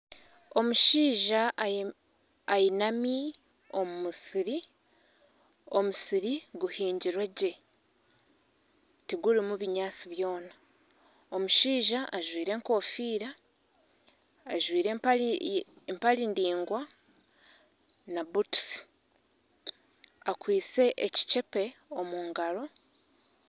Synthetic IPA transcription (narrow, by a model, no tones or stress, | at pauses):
o̞muʃiːʒa | ajinami | o̞mumusiɾi | o̞musiɾiɡuhiːɲɟiɾweɟe̞ | tiɡuɾimuβiɲaːt͡siβjo̞ːna | o̞muʃiːʒaʔːʒwiːɾe̞ːŋko̞ːfiːɾa | ʒwiːɾe | empaɾindiːŋɡwa | nabutu̥si̥ | akwiːt͡se̞ʔeci̥t͡ʃe̞pe̞o̞muːŋɡaɾo̞